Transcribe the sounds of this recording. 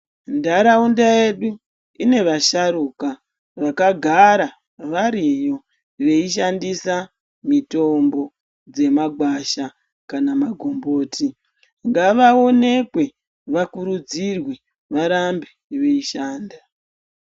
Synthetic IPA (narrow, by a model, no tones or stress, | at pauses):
ndaɾaundae̞ɗu | ine̞ʋaʃaɾuːka | ʋakaɡʱaɾa | ʋaɾijo̞ | ʋe̞iʃandisa | mito̞mbo̞ | d͡ze̞maɡwaʃa | kanamaɡʱo̞mbo̞ːti | ŋɡaʋao̞ne̞kwe̞ | ʋakuɾud͡zirwe | ʋaɾambeʋe̞iʃaːnda